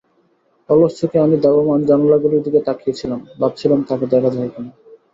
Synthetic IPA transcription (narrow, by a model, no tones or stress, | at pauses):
ɔloʃt͡ɕʰokeamid̪ɔbomand͡ʑɔnolaɡuɾid̪iket̪akʰiet͡ɕʰilambab̚t͡ɕʰilamt̪aked̪ɛkʰad͡ʑaɦekina